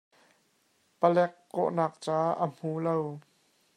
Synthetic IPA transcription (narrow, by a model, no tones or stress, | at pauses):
pəlɛkːɔ̰ʔnaːk̚t͡saːʔəm̥uːlow